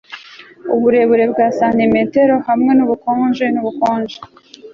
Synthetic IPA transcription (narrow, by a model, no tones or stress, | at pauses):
ṵβuɾe̞βuɾe̞bɡaːsanimete̞ɾo̞hamŋe̞nuβukoːnʒenuβukoːnʒe